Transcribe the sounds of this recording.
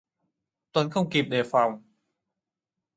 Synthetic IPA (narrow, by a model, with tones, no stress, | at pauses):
t̪o˧˩˨nkʰɔ˥˩wŋ͡mki˨˩p̚ɗeː˨˩fa˧˩w